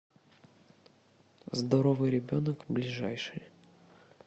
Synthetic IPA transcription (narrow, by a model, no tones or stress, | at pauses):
zd̪ɐɾovɨjɾʲɪbʲo̞nəkblʲɪʐajʂɨj